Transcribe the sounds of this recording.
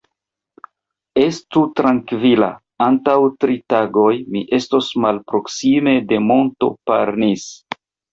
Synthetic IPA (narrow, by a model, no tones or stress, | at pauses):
e̞stutɾaŋkvila̰ | antawtɾitaɡo̞jmiʔe̞sto̞smalpɾo̞ksime̞de̞mo̞nto̞̰pa̰ɾnis